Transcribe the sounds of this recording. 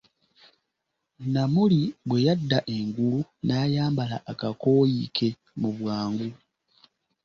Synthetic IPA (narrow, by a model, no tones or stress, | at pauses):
namuliβwe̞jadːaʔe̞ŋɡulunajaːmbala̰ʔːkako̞ːjikʰe̞ | muβwaːŋɡu